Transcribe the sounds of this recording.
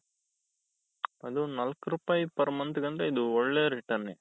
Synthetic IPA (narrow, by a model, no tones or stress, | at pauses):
ɐd̪unɐlkɾuːpaːjipɐɾmɐnt̪uɡɐnd̪ɾeid̪uɔɭːeːɾiʈɐɾne